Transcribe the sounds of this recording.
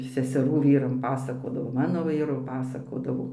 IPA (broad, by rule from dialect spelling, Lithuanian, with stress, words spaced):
sʲɛsʲɛˈruː ˈʋʲiːrɐm ˈpɑːsɐkoːdɐʋoː ˈmɑːnoː ˈʋʲiːrʊ ˈpɑːsɐkoːdɐʋoː